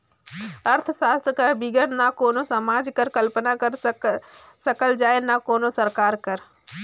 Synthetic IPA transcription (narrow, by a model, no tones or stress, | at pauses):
əɾt̪ʰsaːst̪ʰkəɾbiɡəɾnakoːnosɐmaːd͡ʒkəɾkəlpənakəɾ | səkəld͡ʒaːenakoːnosəɾkaːɾkəɾ